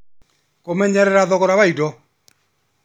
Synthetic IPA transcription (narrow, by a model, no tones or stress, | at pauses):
komɛɲɛɾɛɾaðɔkɔɾaβaidɔ